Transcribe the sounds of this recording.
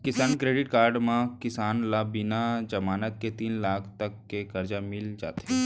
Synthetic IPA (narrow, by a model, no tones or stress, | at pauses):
kɪsaːnkɾeːɖɪʈkaːɾɖmãkɪsaːnlabɪnad͡ʒɐmaːnət̪̚ket̪iːnlaːkʰt̪ɐkːekɐɾd͡ʒamɪld͡ʒa̰ːt̪eɦɛ